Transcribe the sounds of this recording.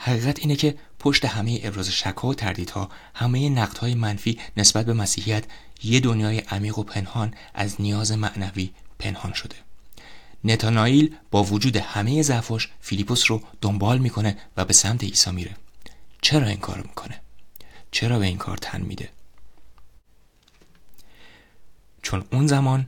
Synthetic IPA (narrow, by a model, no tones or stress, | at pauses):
hæɣiːɣæt̪ʰiːnecʰe̞ | pʰo̞ʃt̪e̞hæme̞jeʔebɾɒːze̞ʃækʰhɒːot̪ʰæɾd̪iːd̪̥hɒ̰ː | hæme̞jenæɣd̪̥hɒːjemænfiːne̞sbæt̪̚be̞mæsiːhijæt̪ʰje̞d̪onjɒːjeʔæmiːɣo̞pʰe̞nhɒːn | ʔæ̰znijɒːze̞mæʔnæviːpʰe̞nhɒːnʃo̞d̪̥e̞ | ne̞t̪ʰɒnɒiːlb̥ɒːvod͡ʒuːd̪e̞hæme̞je̞zæfɒːʃfilipʰosrod̪̥o̞mbɒːlmiːkʰo̞ne̞væbesæmt̪ʰe̞iːsɒːmiːɾe̞t͡ʃʰe̞ɾɒːiŋkʰɒ̰ːɾomi̥kʰo̞ne̞t͡ʃʰe̞ɾɒːbe̞iːŋkʰɒ̰ːɾt̪ʰæ̰nmḭd̪e̞̰ | t͡ʃʰo̞nunzæmɒːn